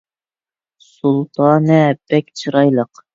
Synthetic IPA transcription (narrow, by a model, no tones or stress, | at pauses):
sulˠt̪ʰɑːnɛb̥ɛkʲt͡ʃʰɨɾɑjlˠəq